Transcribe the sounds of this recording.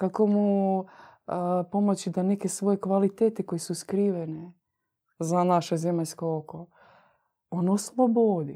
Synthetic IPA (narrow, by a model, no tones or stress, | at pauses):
kako̞mu | po̞mot͡ɕid̪aneke̞sʋo̞je̞kʋalit̪eːt̪eko̞jesuskɾiːʋene | zanaʃezemaʎskooko | onoslˠobod̪i